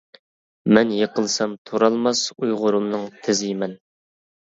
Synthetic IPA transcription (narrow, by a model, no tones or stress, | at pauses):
mɛnjeqʰəlˠsɑmt̪ʰoɾɑlˠmɑsujʁʊɾumnɨŋt̪ʰɪzɪmɛn